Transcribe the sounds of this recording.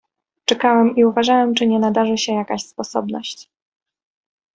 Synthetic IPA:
t͡ʂɛkawɛmiuvaʐawɛmt͡ʂɘɲɛnad̪aʐɘɕɛjakaɕspɔsɔbnɔɕt͡ɕ

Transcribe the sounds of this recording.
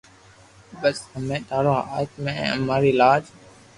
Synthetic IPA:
bəshəmẽːt̪aːɾoːa̰ət̪mḛ̃ːəmaːɾiːlaːd͡ʒ

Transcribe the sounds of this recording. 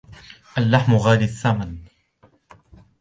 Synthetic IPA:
ʔalːaħmʊɣaːlɪθːaman

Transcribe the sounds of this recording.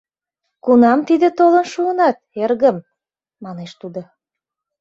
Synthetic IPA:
kunɑmt̪id̪ət̪olənʃuənɑt̪̚erɣə̆m | mɑneʃt̪ud̪o

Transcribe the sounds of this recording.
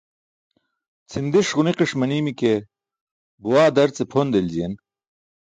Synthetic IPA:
t͡sʰind̪iʂʁuniqiʂmɐniːmike | buwaːd̪ɐɾt͡sepʰoːnd̪elzijen

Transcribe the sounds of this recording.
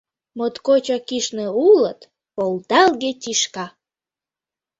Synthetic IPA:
mot̪kot͡ɕɑkiʃneulət̪ | pold̪ɑlɣetʲiʃkɑ

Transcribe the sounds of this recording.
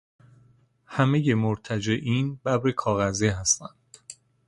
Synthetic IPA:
hæmeje̞moɾt̪ʰæd͡ʒeʔiːnbæbɾekʰɒːɣæziɦæst̪ænd̪̥

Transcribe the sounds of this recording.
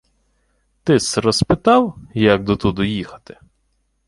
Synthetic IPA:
t̪ɪsɾɔspɪt̪ɑwjɐk̚d̪ɔt̪ud̪ʊjixɐ̥t̪ɪ̥

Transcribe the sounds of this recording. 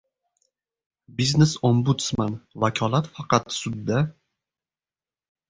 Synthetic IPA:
biznesombut̪smanvakʰɒlˠat̪fɑqɑt̪sʊd̪ːa

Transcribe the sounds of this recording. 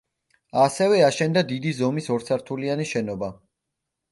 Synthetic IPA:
asɛvɛaʃɛnd̪ad̪id̪izɔmisɔɾt̪sʰaɾt̪ʰulianiʃɛnɔba

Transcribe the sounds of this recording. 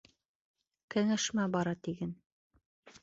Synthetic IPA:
kɘ̆ŋæʃmæbɑɾɑt̪iɡæn

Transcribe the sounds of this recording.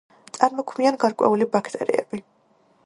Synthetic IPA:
t̪sʼaɾmɔkʰmianɡaɾkʼwɛ̰ulibakʰt̪ʼɛ̰ɾḭɛ̰b̥i

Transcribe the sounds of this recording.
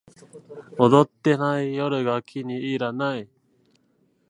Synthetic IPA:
od̪ot̪ːe̞naijoɾɯ̟ɡakʲʰiɲiiɾanai

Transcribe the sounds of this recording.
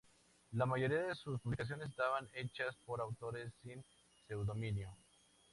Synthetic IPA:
lamaʝo̞ɾiaðesuspuβlikas̬jones̬st̪aβane̞t͡ʃaspo̞ɾawt̪o̞ɾe̞sːin | se̞wðo̞mĩnjo̞

